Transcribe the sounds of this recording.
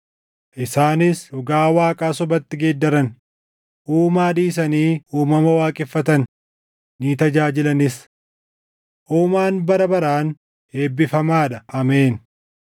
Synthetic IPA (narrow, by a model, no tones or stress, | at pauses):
ʔɪsaːnɪsɾʊɡaːwaːkʼaːsɔbɐt̪ːɪɡeːd̪ːɐɾɐn | ʔuːmaːᶑiːsɐniːʔuːmɐmɐwaːkʼɪfːɐt̪ɐn | niːt̪ɐd͡ʒaːd͡ʒɪlɐnɪs | ʔuːmaːnbɐɾɐbɐɾaːn | he̞ːbːɪfɐmaːᶑɐɐmeːn